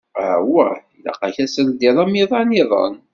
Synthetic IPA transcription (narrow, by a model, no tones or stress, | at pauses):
æwæ̰ilɑ̰qɑçæsəɾd̪iðˤɑmiðˤɑniðˤə̰n